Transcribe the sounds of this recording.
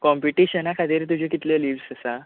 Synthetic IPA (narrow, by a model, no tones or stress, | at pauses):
kɔmpiʈiɕənakʰad̪iɾt̪̬ud͡ʑʱekit̪ljəliːʋsəsa